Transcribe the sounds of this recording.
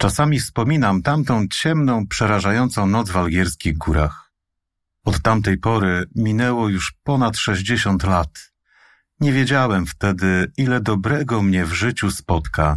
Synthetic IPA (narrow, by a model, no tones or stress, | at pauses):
t͡ʂasamʲifspɔmʲinamt̪amt̪ɔ̃w̃t͡ɕɛmnɔ̃w̃pʂɛɾaʐajɔnt̪sɔ̃w̃nɔt̪d̪zvalɡʲjɛɾskʲiɣɡuɾa̰x | ɔt̪ːamt̪ɛjpɔɾɘmʲinɛwɔjuʂpɔnat̪ʂɛʑd͡ʑɛɕɔnt̪lat̪ | ɲɛvʲjed͡ʑawɛmft̪ɛd̪ɘilɛd̪ɔbɾɛɡɔmɲɛvʐɘt͡ɕuspɔt̪ka